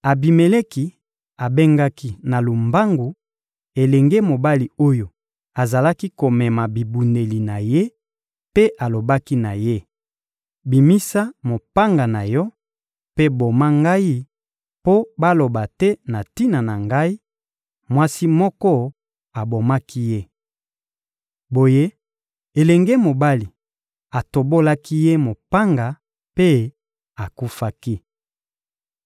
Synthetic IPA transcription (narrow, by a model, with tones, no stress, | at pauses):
a˨bi˨me˨le˦ki˨ | a˨be˦ŋɡa˦ki˦na˨lu˨mba˦ŋɡu˨ | e˨lɛ˨ŋɡe˦mo˨ba˦li˨o˦jo˨ | a˨za˨la˦ki˦ko˨mɛ˨ma˨bi˨bu˨ne˨li˨na˨je˦ | pe˦ʔa˨lo˨ba˦ki˦na˨je˦ | bi˨mi˦sa˦mo˨pa˦ŋɡa˨na˨jɔ˦ | pe˦bo˨ma˦ŋɡa˦i˦ | po˦ba˦lo˨ba˨tɛ˦na˨ti˦na˨na˨ŋɡa˦i˦ | mwa˦si˦mɔ˦kɔ˦ | a˨bo˨ma˦ki˦je˦ | bo˨je˦ | e˨lɛ˨ŋɡe˦mo˨ba˦li˨ | a˨to˨bo˦la˦ki˦je˦mo˨pa˦ŋɡa˨ | pe˦ | a˨ku˦fa˦ki˦